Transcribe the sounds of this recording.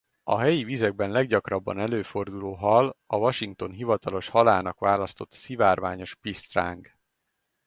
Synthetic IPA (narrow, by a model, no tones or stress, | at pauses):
ɒɦɛjivizɛɡ̚bɛnlɛɡɟɒkrɒbːɒ̰nɛløːfo̞rd̪uloːɦɒlɒvɒʃiŋk̚t̪o̞nɦivɒt̪ɒlo̞ʃhɒlaːnɒkʋaːlɒst̪o̞t̪sivaːrvaːɲo̞ʃpist̪ra̰ːŋɡ